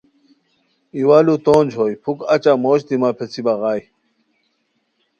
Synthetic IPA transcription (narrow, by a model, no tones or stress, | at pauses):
iwaːlut̪oːnd͡ʑʰɦoːjpʰukɐt͡ɕaːmoːɕt̪imaːpʰet͡sʰibɐɣaːj